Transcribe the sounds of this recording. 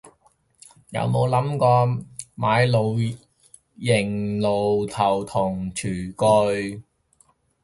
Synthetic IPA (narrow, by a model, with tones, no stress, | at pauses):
jɐ̰˨˧wmo˨˧wlɐ˨˥mkɔː˧maː˨˧jlo˨˧w | jɪ˨˩ŋlo˨wt̪ʰɐ˨˩wt̪ʰʊ˨˩ŋt͡ʃʰyː˨˩kɵ˧ɥ